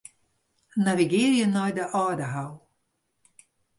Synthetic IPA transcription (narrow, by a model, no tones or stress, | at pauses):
naviɡɪːɾjənɔjdəʔɑːdəɦaw